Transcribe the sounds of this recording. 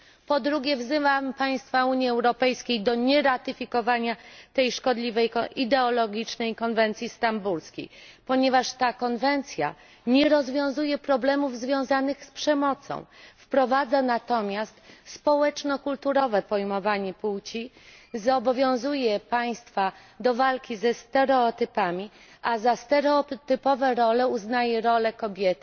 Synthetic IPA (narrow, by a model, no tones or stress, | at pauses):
pɔd̪ɾuɡʲɛvzɘvampaj̃st̪fauɲjiɛwɾɔpɛjskʲejd̪ɔɲɛɾat̪ɘfʲikɔvaɲat̪ɛjʂkɔd̪lʲivɛjkɔid̪ɛɔlɔɡʲit͡ʂnɛjkɔnvɛnt̪sʲjist̪ambulskʲḛjpɔɲɛvaʂt̪akɔnvɛnt̪sʲja̰ | ɲɛɾɔzvʲjɔ̃w̃zujɛpɾɔblɛmuvzvʲjɔ̃w̃zanɘxspʂɛmɔt̪sɔ̰̃w̃fpɾɔvad̪zanat̪ɔmʲjast̪spɔwɛt͡ʂnɔkult̪uɾɔvɛpɔjmɔvaɲɛpuwt͡ɕizɔbɔvʲjɔ̃w̃zujɛpaj̃st̪fa | d̪ɔvalkʲizɛst̪ɛɾɛɔt̪ɘpamʲi | ʔazast̪ɛɾɛɔt̪ɘpɔvɛɾɔlɛuznajɛɾɔlɛkɔbʲjɛt̪